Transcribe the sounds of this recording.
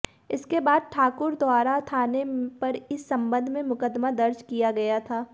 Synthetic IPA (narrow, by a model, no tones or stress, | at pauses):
ɪskebaːd̪̚ʈʰaːkʊɾd̪waːɾat̪ʰaːnepɐɾɪsːɐ̃mbə̃nd̪ʱmẽmʊkəd̪mad̪ɐɾd͡ʒkijaɡɐjat̪ʰaː